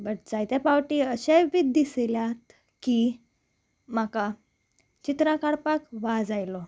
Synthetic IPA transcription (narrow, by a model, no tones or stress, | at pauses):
bəʈd͡zajt̪japawʈiəɕeʋid̪iseljat̪ | ki | maka | t͡ɕit̪ɾãkaɽpakʋad͡zajlɔ